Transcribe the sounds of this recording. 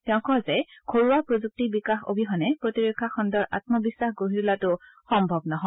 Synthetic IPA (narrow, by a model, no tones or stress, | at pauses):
tɛʊ̃kɔzɛkʰoɹuwapɹozuk̚tibikaxo̰bʱiɦɔnɛpɹotiɹekʰːaxɔndɔɹʔa̰t̚mɔbisːaxɡoɦitulatʊ | xɔmbʱɔbnaɦɔ